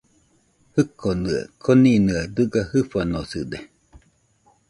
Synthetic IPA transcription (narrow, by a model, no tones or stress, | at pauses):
hɨkʰonɯa̰kʰoninɯad̪ɯɡahɯfanosɯd̪e